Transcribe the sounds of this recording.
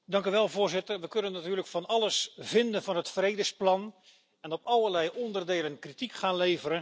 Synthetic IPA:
dɑŋkyʋɛlˠvʊːrzɪtərʋəkønənːatyːrləkfɑnɑlˠəsvɪndənvɑnətfrejdəsplɑn | ɛnɔpɑlˠərlɛjʔɔndərdeːlənkritikχaːnlejvəɾə

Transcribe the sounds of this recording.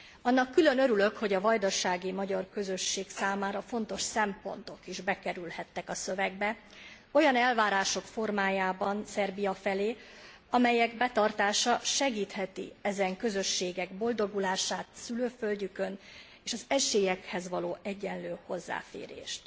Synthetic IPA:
ɒnːɒkːylø̞nø̞ɾylø̞kho̞ɟɒvɒjd̪ɒʃaːɡimɒɟɒrkø̞zø̞ʃːeːksaːmaːɾɒfo̞n̪t̪o̞ʃsɛmpo̞̰nt̪o̞kiʒbɛkɛɾylhɛt̪ːɛkɒsø̞vɛɡ̚bɛ | o̞jɒnɛlvaːɾaːʃo̞kfo̞rmaːjaːbɒnsɛrbijɒfɛleː | ɒmɛjɛɡbɛt̪ɒrt̪aːʃɒʃɛɡiːt̪hɛt̪ḭɛzɛŋkø̞zø̞ʃːeːɡɛɡbo̞ld̪o̞ɡulaːʃaːt̪syløːfølɟykø̞n | eːʃɒzɛʃeːjɛkhɛzʋɒloːʔɛɟːɛnløːho̞zːa̰ːfḛːɾḛːʃt̪

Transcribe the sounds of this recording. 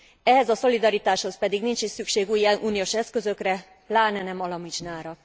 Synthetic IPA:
ɛɦɛzɒso̞lid̪ɒɾit̪aːʃho̞spɛd̪iɡnint͡ʃisykʃeːɡuːjɛnʔuːnijoːʃɛskø̞zø̞krɛ | laːnɛnɛmɒlɒmit͡ʃnaːɾɒ

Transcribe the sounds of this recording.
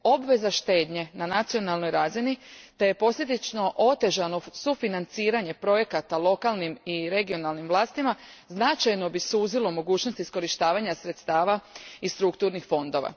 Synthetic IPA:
o̞bʋe̞zaʃt̪e̞ːd̪ɲe̞nanat̪sijo̞nalˠno̞jɾaːzinit̪eje̞po̞sje̞d̪it͡ʃno̞ʔo̞t̪e̞ʒano̞sufinant̪siːɾaɲe̞pɾo̞je̞kat̪alˠo̞kalˠnimiɾe̞ɡio̞nalnimʋlˠaːst̪imaznat͡ʃajno̞bisuːzilo̞mo̞ɡuːt͡ʃnost̪isko̞ɾiʃt̪aːʋaɲasɾe̞t̪st̪aːʋaist̪ɾukt̪uːɾnixfo̞nd̪o̞ʋa̰

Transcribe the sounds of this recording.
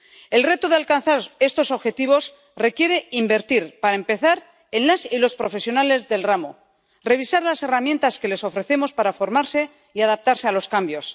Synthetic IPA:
e̞lre̞t̪oðealkanθaɾe̞st̪o̞so̞βxe̞t̪iβ̞o̞s | re̞kje̞ɾe̞imbe̞ɾt̪iɾpaɾaempe̞θaɾ | e̞nlasilo̞spɾo̞fe̞sjo̞nale̞zðe̞lramo̰ | re̞β̞isaɾlase̞ramje̞nt̪aske̞le̞so̞fɾe̞θe̞mo̞spaɾafo̞ɾmaɾse̞ | iaðap̚t̪aɾse̞alo̞skambjo̞s

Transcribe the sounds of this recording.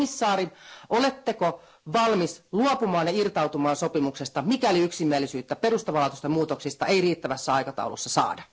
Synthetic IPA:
isːɑːɾiʔolet̪ːeko | ʋɑlmisluopumɑːnjɑirt̪ɑut̪umɑːnsopimuksest̪ɑmikæoliyksimiælːˑisyːt̪ːæperust̪oʋɑlɑt̪ust̪ɑmuːt̪oksist̪ɑʔeiriːt̪ːæʋæsːæɑikɑt̪ɑ̰ṵlṵsːɑsɑ̰ːdɑ

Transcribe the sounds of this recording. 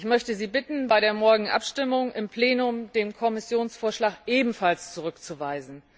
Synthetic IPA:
ɪçmœçtəziːbɪtn̩baɪɾeːɐmɔɐɡŋ̩ʔa̰pʃtɪmʊŋʔɪmpl̥eːnʊmdeːmkʰɔmɪsjoːnsfoːɐʃlaːkʔeːbm̩falst͡suʁʏkt͡suvaɪzn̩

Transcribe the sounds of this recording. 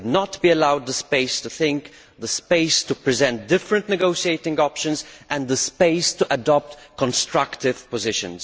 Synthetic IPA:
dnətbiəlaʊd̪̚ðəspeɪstuθɪ̃ŋk | ðəspeɪstupɹɨzɛ̃nt̚dɪfɹə̃ntnɛɡoʊʃieɪtɪ̃ŋɡɔpʃə̃nzʔɨ̃nðəspeɪstuʔədɔp̚tkɔ̃nstɹ̥aktɪv̥pɔzɪʃə̰̃nz

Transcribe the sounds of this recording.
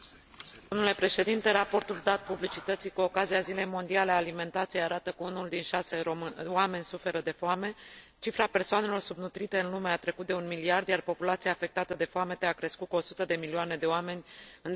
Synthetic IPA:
d̪o̞mnule̞pɾe̞ʃe̞d̪int̪e̞ɾapo̞rt̪uld̪at̪̚publit͡ʃit̪ət̪sikuo̞kazijazile̞jmo̞nd̪ialeaːlime̞nt̪at̪sijeaɾat̪əkəunuld̪inʃase̞oame̞nʲsufe̞ɾəd̪e̞foame̞ | t͡ʃifɾape̞rsoane̞lo̞rsubnut̪ɾit̪e̞ɨnlume̞at̪ɾe̞kut̪̚d̪eunmiliard̪jarpo̞pulat̪siaːfe̞k̚t̪at̪əd̪e̞foame̞t̪eakɾe̞skut̪̚kuo̞sut̪əd̪e̞milioane̞d̪e̞oame̞nʲɨn

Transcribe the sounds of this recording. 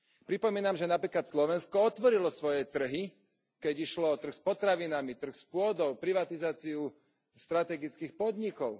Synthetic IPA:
pɾipɔmiːnamʒɛnapɾiːklat̪slɔʋɛnskɔɔt̪ʋɔɾilɔsʋɔjɛt̪r̩ɦi | kɛɟiʃlɔɔt̪r̩xspɔt̪ɾaʋinamit̪r̩xspʊɔd̪ɔʊpɾiʋat̪izaːt͡siu | st̪ɾat̪ɛɡit͡skiːxpɔd̪ɲikɔʊ

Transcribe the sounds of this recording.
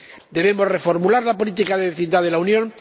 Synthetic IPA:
d̪e̞β̞emo̞zre̞fo̞ɾmulaɾlapo̞lit̪ikaðeβeθind̪aðe̞launjõ̞n

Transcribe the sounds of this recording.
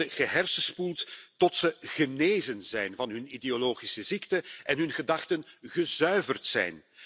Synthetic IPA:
əɣəɦɛrsəspulˠttɔtsəɣəneːzənzɛjnvɑnɦɵnideoloːɣisəziktəɛnɦɵnɣədɑxtənɣəzœɥvərtsɛ̰jn

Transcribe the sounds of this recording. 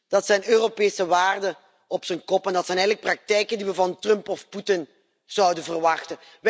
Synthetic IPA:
d̥ɑtsɛjnøːropeːsəʋaːrdə | ɔpsənkɔpɛndɑtsɛjnɛjɣələk̚prɑk̚tɛjkəndiʋəvɑntrɵmpɔfputɪn | z̥ɑwdənvərʋɑxtə | ʋ

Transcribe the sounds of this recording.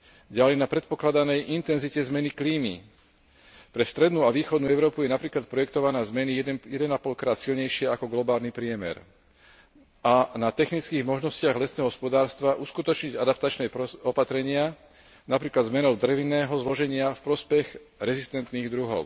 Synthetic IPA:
ɟalɛjnapɾɛt̪̚pɔklad̪anɛjʔint̪ɛnzicɛzmɛnikliːmḭ | pɾɛst̪ɾɛd̪nuaʋiːxɔd̪nuːɛʊɾɔːpujɛnapɾiːklat̪̚pɾɔjɛkt̪ɔʋanaːzmɛnijɛd̪ɛnapɔlkɾaːt̪silɲɛjʃɪɛakɔɡlɔbaːlnipɾɪɛmɛ̰ɾ | anat̪ɛxnit͡skiːɣmɔʒnɔscɪaɣlɛsnɛːɦɔɦɔspɔd̪aːɾst̪ʋaʔuskut̪ɔt͡ʃɲiɟad̪apt̪at͡ʃnɛɔpat̪ɾɛɲɪa | napɾiːklad̪zmɛnɔʊd̪ɾɛʋinːɛːɦɔzlɔʒɛɲɪafpɾɔspɛɣ | ɾɛzist̪ɛnt̪niːɣd̪ɾuɦɔ̰ʊ

